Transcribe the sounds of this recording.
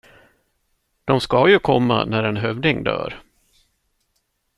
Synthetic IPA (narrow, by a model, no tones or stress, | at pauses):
d̪̥ɔmskajɵkʰɔmːa̰næɾɛnɦœvd̪ɪŋd̪œ̰ːɾ